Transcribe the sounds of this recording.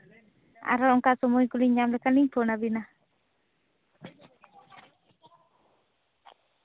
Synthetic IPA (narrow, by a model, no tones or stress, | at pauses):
ʔa̰ɾɔɔŋkaʔsɔmɔikuliɲamlɛkaniŋpʰɔnabina